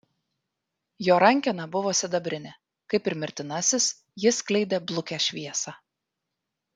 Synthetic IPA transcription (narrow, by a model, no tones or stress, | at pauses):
joːɾɐŋʲˑkʲɛnɑbʊʋoːsʲɪd̪ɐbʲɾʲɪnʲɛ | kɐɪpɪɾmʲɪɾʲt̪ʲɪnɐsʲɪs | jɪsklʲɛɪd̪ʲeːblˠʊkʲæʃʲʋʲiɛsɑː